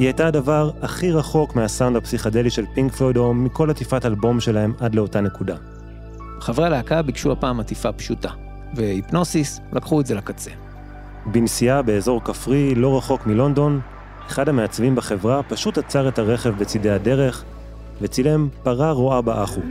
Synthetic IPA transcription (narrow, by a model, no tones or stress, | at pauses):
hihajtadavaʁaχiʁaχo̞kmeasawndapsiχade̞liʃe̞lpiŋɡfedo̞miko̞latifatalbo̞mʃe̞lahe̞madle̞o̞tane̞kuda | bχavʁealeakabikʃuapaːmatifapʃuta | veipno̞sis | lakχuezelakat͡sḛ | binsiabe̞ːzo̞ʁkafʁilo̞ʁaχo̞kmilo̞ndo̞n | eχadhame̞at͡svimbaχe̞vʁapaʃutat͡saʁe̞thaʁe̞χevbet͡side̞jade̞ʁe̞χ | ve̞t͡sile̞mpaʁaʁoabaʔaχu